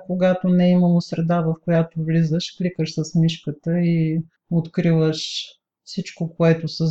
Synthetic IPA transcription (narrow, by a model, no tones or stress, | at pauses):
koɡat̪onɛiməlˠosɾɛd̪avəfkojat̪ovlizəʃklikəʃsəsmiʃkət̪əi | ot̪kɾivəʃ | fsit͡ʃkokoɛt̪ʊsə